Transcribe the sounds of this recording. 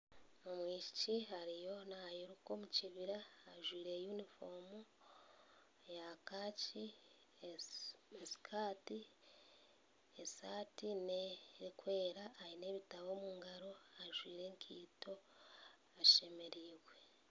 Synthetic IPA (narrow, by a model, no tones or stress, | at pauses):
omwiːci̥ciɦaɾijo̞naajiɾuko̞ːmuciβiɾaːʒwiːɾe̞junifo̞mu | jakaːci | esi̥kʰaːti | esaːtinekwe̞ːɾaʔːine̞ːβitaβo̞ːmuːŋɡaɾo̞aʒwiːɾe̞ːŋkʰiːto̞ | aʃe̞me̞ɾiːɣwe̞